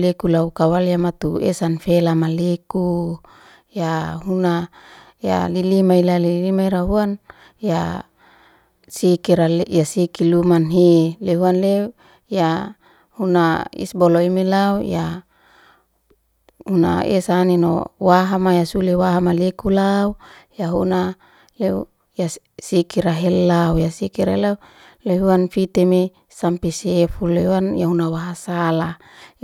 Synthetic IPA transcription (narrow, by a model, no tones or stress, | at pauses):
lekulaukawaljamat̪uḛsanfelamaleku | jaɦuna | ja̰lilimailalilimaiɾaɦuan | ja | sikiɾaljasikilumanɦeleɦuanle | ja | hunaḭsboloimilauja | huna̰ḛsanino̰waɦamajasulewaɦamalekulaujaɦuna | leu | ja | sikiɾaɦelːaujasikiɾaelau | leɦuanfit̪eme | sampesefulːewanjaunawaɦasala